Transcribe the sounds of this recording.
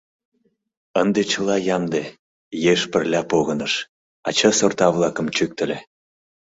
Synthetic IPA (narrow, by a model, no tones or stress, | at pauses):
ənd̪et͡ɕəlɑjɑmd̪e | jeʃpərlʲɑpoɣənəʃ | ɑt͡ɕəsort̪ɑβlɑkə̆mt͡ɕyk̚t̪ə̆lʲe